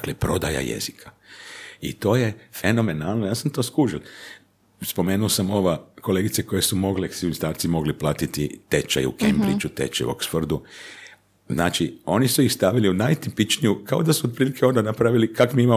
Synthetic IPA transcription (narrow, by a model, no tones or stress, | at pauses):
d̪aklepɾo̞d̪a̰ja̰jḛzikʰa | ḭt̪o̞ːjefe̞no̞me̞naːlˠnojaːsamt̪o̞ːskuːʒilˠ | spo̞me̞ːnuosamo̞ʋako̞leɡit̪seko̞jesumo̞ɡleksiinist̪aːɾt̪simo̞ɡliplaːt̪it̪ḭt̪et͡ʃa̰jṵkʰḛmbɾḭt͡ʃut̪ḛt͡ʃḛjo̰ksford̪u | znaːt͡ʃio̞nisuixst̪aʋiliunajt̪ipit͡ʃnijukao̞d̪asuot̪̚pɾiːlikʰeo̞nd̪anapɾaʋilikakmiima